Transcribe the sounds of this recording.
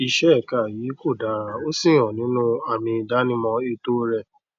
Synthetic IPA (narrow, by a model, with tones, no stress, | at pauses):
i˧ʃɛ˦ɛ˦˨ka˦˨jiː˨˦ko˦˨da˨ɾa˨o˦sĩ˦˨˦ɔ̃˨nĩ˨˦nũ˦a˨mĩ˧da˦nĩ˦mɔ̃˧e˧to˦ɾɛ˧˨